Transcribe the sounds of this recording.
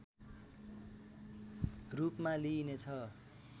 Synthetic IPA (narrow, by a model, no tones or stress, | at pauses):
rupmalinet͡sʰʌ